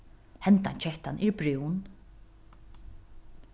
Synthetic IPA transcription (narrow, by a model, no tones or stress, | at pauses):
hɛnt̪ant͡ʃʰɛht̪anʔɪɹbɾuwn